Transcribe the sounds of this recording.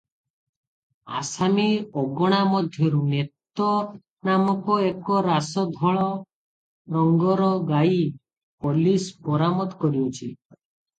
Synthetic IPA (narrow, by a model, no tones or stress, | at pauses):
a̰samiɔɡɔɽ̃amɔd̪ʱjɔɾunet̪ɔ | namɔkɔekɔɾasɔd̪ʱɔɭɔ | ɾɔŋɡɔɾɔɡai | polispɔɾamɔt̪kɔɾiut͡ʃʰi